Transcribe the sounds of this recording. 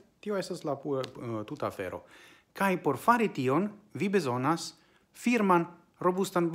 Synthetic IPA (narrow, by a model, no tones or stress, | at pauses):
t̪io̞e̞staslapututaːfe̞̰ɾo̞̰ | kajpo̞ɾfaɾitio̞nvibezo̞nas | fiɾman | ɾo̞bustanb